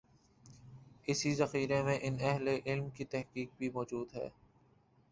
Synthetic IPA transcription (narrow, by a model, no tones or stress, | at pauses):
ɪsizɐxiːɾemẽʔɪnɛɦleʔɪlmkit̪ɛɦkiːk̚bʱimɔːd͡ʒuːd̪ɦɛ̰ː